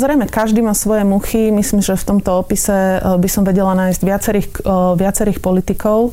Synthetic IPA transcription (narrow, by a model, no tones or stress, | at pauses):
zɾɛjmɛkaʒd̪imaːsʋɔjɛmuximisliːmʒɛft̪ɔmt̪ɔɔpisɛbisɔmʋɛɟɛlanaːjzɟʋɪat͡sɛɾiːxʋɪat͡sɛɾiːxpɔlit̪ikɔʊ